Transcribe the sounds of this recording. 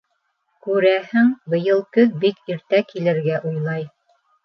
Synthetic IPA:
kʉɾæhɘŋbɤ̆jɤ̆lˠkɵðbikiɾt̪ækilɘ̆ɾɡæʔujlˠɑj

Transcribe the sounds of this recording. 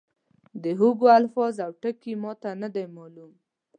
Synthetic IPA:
d̪əɦoɡoalfɑzawʈəkimɑt̪anad̪ajmɑlum

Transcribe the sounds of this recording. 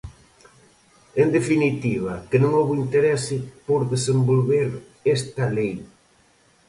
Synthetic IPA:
end̪efinit̪iβ̞ɐkɪnõŋoβoint̪eɾɛsɪpoɾðesembolβeɾ | ɛst̪ɐlej

